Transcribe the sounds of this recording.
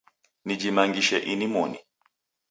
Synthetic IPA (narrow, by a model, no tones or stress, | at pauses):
nid͡ʒimaŋɡiʃɛʔinimɔni